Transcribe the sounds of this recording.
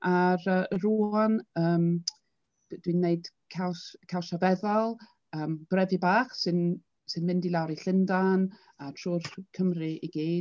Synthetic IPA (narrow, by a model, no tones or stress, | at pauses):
aɾəːɾuːanəːm | d̥winːeɨd̥kʰawskʰawsavɛðɔlˠ | əːmb̥rɛvɨbaːχsɨn | sɨnmɪndilˠawɾiɬɪndan | atʰruːrkʰəmrɨiɡiːd